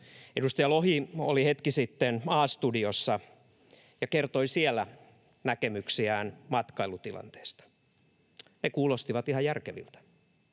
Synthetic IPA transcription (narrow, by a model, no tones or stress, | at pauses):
edust̪ɑjɑloɦiolihet̪kisit̪ːenɑːst̪udiosːɑ | jɑkert̪oisielːæ | nækemyksiæːnmɑt̪kɑilut̪ilɑ̰nt̪e̥ːst̪ɑ̥ | nekuːlost̪iʋɑt̪ihɑjærkeʋḭlt̪æ̥